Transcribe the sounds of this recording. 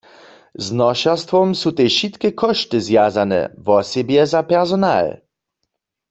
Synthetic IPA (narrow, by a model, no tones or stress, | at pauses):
znɔʃast̪vɔmsuteʃit̪kɛkʰɔʃtɨzjazanɛ̰vɔsɛbjɛzapɛʁzɔna̰ːl